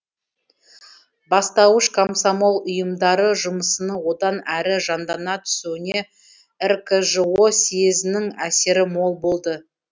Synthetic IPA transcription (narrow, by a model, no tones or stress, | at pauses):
bɑst̪ɑwəʃkʰomsomo̞lˠʊjəmd̪ɑɾəʒʊməsənəwo̞d̪ɑnæɾɪʒɑnd̪ɑnɑt̪ʰʏ̥sewɪne̞ | rkʰəʒəo̞sijezɪnɪŋæse̞ɾɪmo̞lˠbo̞lˠd̪ə